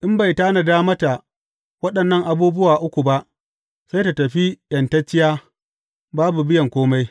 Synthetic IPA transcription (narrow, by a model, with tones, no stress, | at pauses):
ʔɪ˦mba˨jtaː˦na˨daː˦mɐ˦ta˨ | wɐ˦ɗɐ˨nːɐ˦˨ŋʔa˨buː˦bʊ˦waː˨ʔʊ˦kʷu˨ba˦ʔ | sa˦jta˨tɐ˨ɸi˦jɐ˨ntɐ˦t͡ʃːɪ˦jaː˦ | baː˦bu˨bɪ˦jɐ˨ŋkʷoː˦ma˦j